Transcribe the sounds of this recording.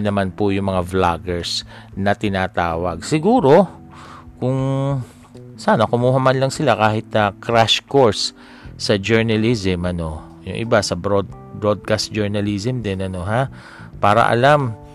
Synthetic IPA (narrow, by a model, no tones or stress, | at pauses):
nɐmanpʊjʊŋmɐŋavlaɡɛɹsnɐt̪ɪnaːt̪aːwɐɡ̚sɪɡuːɾo̞ | kʊŋ | saːnɐkʊmuːhɐmanlɐŋsɪlakaːhɪt̪̚nɐkɾaʃkoɹsː | ɐd͡ʒɛɹnɐlizɪmʔɐno̞ | jʊ̰ŋʔɪ̰basɐbɾod̪bɹod̪̚kast̪d͡ʒɛɹnɐlisɪmd̪ɛnɐno̞ɦa | paːɾɐ̰ʔɐ̰lam